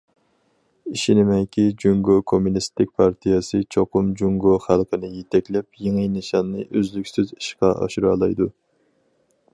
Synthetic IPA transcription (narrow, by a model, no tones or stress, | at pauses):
iʃinɪmɛjkʲʰid͡ʒuŋɡokʰomunist̪ɪk̚ʲpʰɑɾt̪ʰijɛsɨt͡ʃʰoqʊmd͡ʒuŋɡoχælˠqənɨjet̪ʰɛkʲlɛpjeŋɨjnɨʃɑnːɨʔøzlykʲsyzi̥ʃqɑʔɑ̰ʃuɾɑ̰ːlˠɑjd̪u